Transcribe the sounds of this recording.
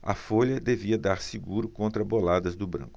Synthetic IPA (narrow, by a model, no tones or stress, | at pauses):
ɐ̰foʎɐd̪eviɐd̪aɾsiɡuɾʊkõnt̪ɾɐbolad̪ɐzd̪ʊbɾɐ̰̃ŋkʊ̥